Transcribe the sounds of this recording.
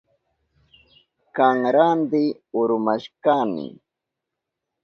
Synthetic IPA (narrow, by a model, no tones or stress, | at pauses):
kaŋɾand̪ɪ | ʊɾʊmaʃkanɪ̰